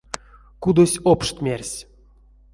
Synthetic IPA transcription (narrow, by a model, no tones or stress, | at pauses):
kud̪osʲopʂt̪ʲmʲerʲsʲ